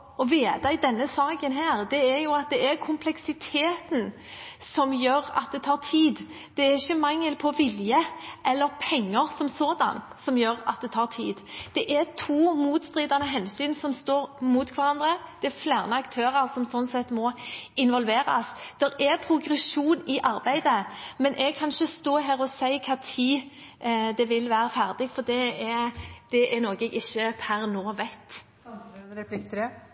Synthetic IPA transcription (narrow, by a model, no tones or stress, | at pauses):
ɔʋeːt̪ɑɪd̪ɛnːəsɑːkənɦæːʁd̪ɛɛɾjʊɑt̪̚d̪ɛʔɛɾkʰʊmpʰlɛksɪt̪ʰeːt̪n̩ | sɔmjøːɾɑ̰t̪̚d̪ɛt̪ʰɑːt̪ʰiːd̪ | d̪̥ɛæɾɪçːəmɑŋːəlpʰɔʋɪljəʔɛlːəɾpʰɛŋːəɾsɔmsoːd̪ɑ̰n | sɔmjøːɾɑ̰t̪̚d̪ɛt̪ʰɑːʁt̪ʰiːd̪d̪̥ɛʔɛɾt̪ʰuːmuːt̪st̪ɾiːd̪ɑnəɦɛnsyːnsɔmst̪oːɾmuːt̪kʰʋɑɾɑnd̪ʁəd̪̥ɛæflæːʁnəɑkt̪ʰøːɾəɾsɔmsɔnːsɛt̪ːmɔɪnʋɔlʋeːɾɑ̰sd̪̥ɛɾɛpʰɾʊɡɾɛsuːnɪʔɑɾbæɪd̪əmɛnʔɛɡ̚kʰɑnʃəst̪oːɦæːɾɔsæɪkʰɑt̪ʰiː | d̪ɛʋɪlʋæːɾəfæʁd̪ɪɡfɔd̪ɛɛd̪̥ɛʔænɔːɡɛɡɪçːəpʰæɾnoːʋæɪt̪ː | ɛp̪ɪkt̪ʰɾ